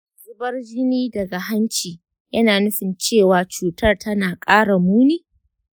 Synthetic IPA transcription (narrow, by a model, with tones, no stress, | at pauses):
zʊ˦bɐ˦rd͡ʒɪ˦niː˦dɐ˨ɡa˨ɦa˦nt͡ʃiː˨ | jɐ˦naː˨nʊ˦ɸɪ˨nt͡ʃeː˦˨waː˨t͡ʃuː˨tɐ˦rtɐ˦naː˨kʼaː˦ɽa˨muː˦niː˦